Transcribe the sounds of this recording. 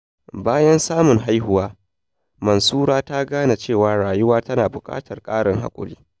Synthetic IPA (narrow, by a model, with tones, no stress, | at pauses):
baː˦jɐ˦nsaː˦mʊ˨ŋɦa˦jɦʊ˦waː˦ | mɐ˨nsuː˦ɾaː˦ta˦ɡaː˦na˨t͡ʃeː˦˨waː˨ɽaː˨jʊ˦waː˦tɐ˦naː˨bʊ˨kʼa̰ː˦tʰɐ˨rkʼaː˦ɽɪ˨ŋɦa̰˦kʷʼʊ̰˦liː˦